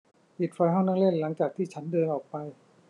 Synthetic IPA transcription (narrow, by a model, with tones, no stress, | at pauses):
pi˨˩t̪̚fa˧jɦɔ˥˩na˥˩le˥˩nla˩˦ŋt͡ɕaː˨˩k̚t̪ʰiː˥˩t͡ɕʰa˦˥ndɤː˧nʔɔː˨˩k̚pa˧j